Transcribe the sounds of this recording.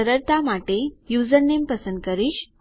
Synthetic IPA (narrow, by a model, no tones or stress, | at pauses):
əɾəɾt̪amaʈejud͡zəɾnːempəsənd̪̚kəɾiːɕ